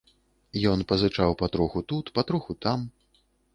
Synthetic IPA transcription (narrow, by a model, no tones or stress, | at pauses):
jɔnpɐzɨt͡ʂawpɐt̪ɾuxut̪ut̪pɐt̪ɾuxut̪am